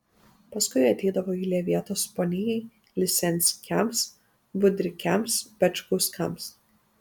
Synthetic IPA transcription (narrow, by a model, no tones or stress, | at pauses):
pɐskʊɪɐt̪ʲɛɪd̪ɐʋoːiːlʲeːʋʲiɛt̪oːspɔnʲɪjɛɪ | lʲɪsʲɛnʲsʲkʲɛms | bʊd̪ʲɾʲɪkʲɛmspʲɛt͡ʃʲkʊskɐ̰ms